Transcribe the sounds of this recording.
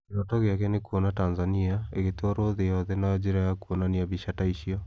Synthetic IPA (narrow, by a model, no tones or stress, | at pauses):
keɔtɔɣeakɛnekuonatanzaniaeɣetoɾoðejɔðɛnad͡ʑeɾajakuonaniaβiɕataiɕiɔ